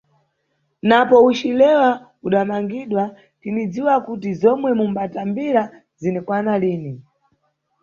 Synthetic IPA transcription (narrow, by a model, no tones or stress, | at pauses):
napɔut͡ʃilɛwa | uɗamaŋɡiɗwa | tinid͡ziwakutizɔmwɛmumbatambiɾa | zinɛkwanaliːni